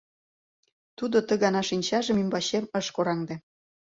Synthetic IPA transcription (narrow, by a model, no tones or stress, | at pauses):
t̪ud̪ot̪ə̆ɣɑnɑʃinʲt͡ɕɑʒə̆mymbɑɕemə̆ʃkoɾɑŋd̪e